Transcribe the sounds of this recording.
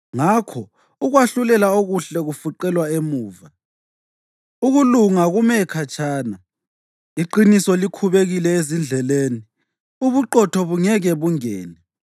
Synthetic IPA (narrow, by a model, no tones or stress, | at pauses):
ŋakʰɔ | uɣwaɬulɛlaoɣuɬɛɣufuǃɛlwaemuːva | uɣuluŋaɣumɛkʰat͡ʃʰʼaːna | iǃinisɔlikʰuβeɣilɛezind͡ɮʱɛleni | uβuǃɔtʰɔβuŋɛɣɛβuŋɛ̰ːnɛ